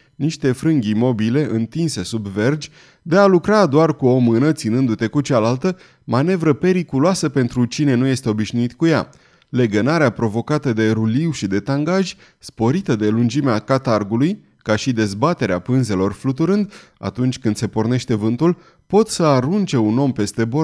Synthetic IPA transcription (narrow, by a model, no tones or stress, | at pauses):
niʃt̪e̞fɾɨŋɡʲmo̞bile̞ʔɨnt̪inse̞subve̞rd͡ʒʲ | d̪e̞alukɾad̪oarkuo̞mɨnət̪sinɨnd̪ut̪e̞kut͡ʃalalt̪ə | mane̞vɾəpe̞ɾikuloasəpe̞nt̪ɾut͡ʃine̞nuje̞st̪e̞o̞biʃnuit̪kuja̰ | le̞ɡənaɾeapɾo̞vo̞kat̪əd̪e̞ɾuliwʃid̪e̞t̪aŋɡaʒʲ | spo̞ɾit̪əd̪e̞lund͡ʒimeakat̪arɡuluj | kaʃid̪e̞zbat̪e̞ɾeapɨnze̞lo̞rflut̪uɾɨnd̪a̰t̪unt͡ʃʲkɨnd̪se̞porne̞ʃt̪e̞vɨnt̪ul | po̞t̪səaɾunt͡ʃe̞uno̞mpe̞st̪e̞bo